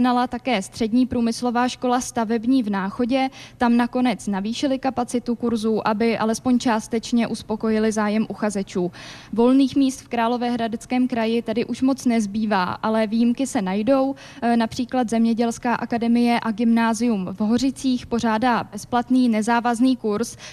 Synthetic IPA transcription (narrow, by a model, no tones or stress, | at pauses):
nalat̪akɛːst̪r̥ɛdɲiːpɾuːmɪslo̞vaːʃko̞last̪avɛbɲiːvnaːxo̞ɟɛt̪amnako̞nɛt͡snaviːʃɪlɪkapat͡sɪt̪ukuɾzuːʔabɪʔalɛspo̞ɲt͡ʃaːst̪ɛt͡ʃɲɛʔuspo̞ko̞jɪlɪzaːjɛmʔuxazɛt͡ʃuːvo̞lniːxmiːst̪fkɾaːlo̞vɛːɦɾadɛt͡skɛːmkɾajɪt̪adɪʔuʃmo̞t͡snɛzbiːvaːʔalɛviːjɪmkɪsɛnajdo̞w | napr̝̥iːklat̪zɛmɲɛɟɛlskaːʔakadɛmɪjɛʔaɡɪmnaːzɪjumvɦo̞rɪt͡siːxpo̞r̝aːdaːbɛsplat̪niːnɛzaːvazniːkuɾs